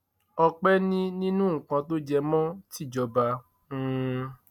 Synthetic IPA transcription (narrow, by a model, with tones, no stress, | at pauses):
ɔ˧k͡pɛ˦nĩ˦nĩ˦nũ˦ŋ̩˨kã˧to˦d͡ʒɛ˧mɔ̃˦ti˦˨d͡ʒɔ˧ba˧˦